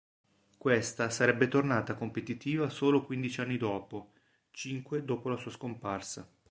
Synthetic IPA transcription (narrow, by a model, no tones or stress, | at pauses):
kwest̪asaɾɛbːet̪ornaːt̪akompet̪it̪iːvasoːlokwind̪it͡ʃianːid̪ɔːpo | t͡ʃiŋkwed̪oːpolasuːaskomparsa